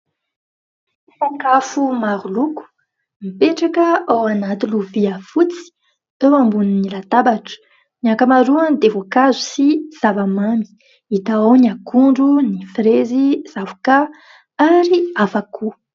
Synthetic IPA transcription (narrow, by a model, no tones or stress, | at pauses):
isaŋkafumaɾuluku̥ | mipeʈ͡ʂakəawanat̪iluviəfut͡si̥ | ewambuninilat̪abaʈ͡ʂə̥ | niakamaɾuand̪evokazu̥siz̥avamami̥ | it̪aawniakuɳɖ͡ʐunifreziz̥avuka | aɾiafakʰu